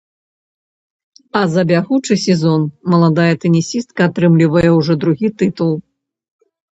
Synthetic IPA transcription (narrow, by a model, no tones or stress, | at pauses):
ɐzɐbʲaɣut͡ʂɨsʲɛzɔnmɐlˠad̪ajɐt̪ɛnʲisʲist̪̚kɐːt̪ɾɨmlʲivɐjɛwʐɔd̪ɾuɣʲit̪ɨt̪ulˠ